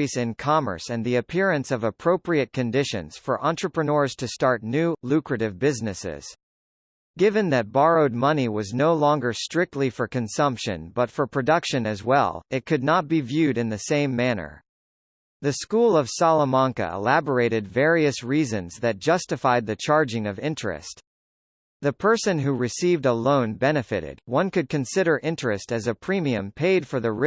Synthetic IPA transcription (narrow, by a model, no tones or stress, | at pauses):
izɨ̃nkʰɑmə̰˞sɨ̃nðiɨpʰɪɹɨ̃nsʌvəpʰɹ̥oʊpɹiɨt̚kʰɨ̃ndɪʃɨ̰̃nz̥fə̰˞ʔɑ̃nt͡ʃɹ̥ɨpɹ̥ɨnɔɹz̥tʰɨstɑɹtⁿnʉlʉkɹɨɾɨvbɪznɨsɪ̰z̥ | ɡ̥ɪvɨ̃nðɨt̚b̥ɑɹoʊd̚mʌniwʌznoʊlɔ̃ŋɡə˞stɹ̥ɪk̚tˡlifə˞kɨ̃nsʌ̃mpʃɨ̰̃nbʌtfə˞pʰɹ̥ɨdʌkʃɨ̃nɨzwɛ̰lˠɨt̚kʰɨdⁿnət̚b̥ivjʉɾɨ̃nðɨsẽɪ̃mːænə̰˞ | ðɨskulˠʌv̥sɑlˠəmɑ̃ŋkɨ̰ɪ̰læbə˞eɪɾɨdvɛɹiɨsɹizɨ̃nzðɨt̚d̥ʒ̥ʌstɨfaɪd̪̚ðɨt͡ʃʰɑɹd͡ʒɪ̃ŋʌvɪ̃nt͡ʃɹ̥ɨ̰st̪ | ðɨpʰɜ˞sɨ̃nɦuɹɨsivdəlõʊ̃nbɛnɨfɨɾɪ̰d̥̚wʌ̃nkɨd̚kɨ̃nsɪɾə˞ʔɪ̃nt͡ʃɹ̥ɨstɨzɨpʰɹ̥ĩmiɨ̃mpʰeɪd̥fə˞ðɨ